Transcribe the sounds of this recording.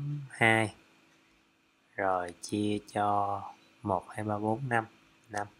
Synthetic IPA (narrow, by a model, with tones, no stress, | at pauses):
mhaː˧j | zo˨˩jt͡ɕi˧ət͡ɕɔ˧ | mo˨˩t̚haː˧jɓaː˧ɓo˨˦nːa˧m | na˧m